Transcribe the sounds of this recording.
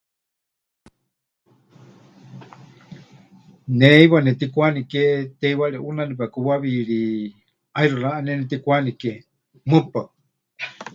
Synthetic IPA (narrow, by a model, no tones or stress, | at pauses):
neiwanɛt̪ikʷaniket̪ɛjwaɺɛʔunanip̬akuwaβiɺi | ajɾuɾaʔanɛnɛt̪ikʷanike | mɨpa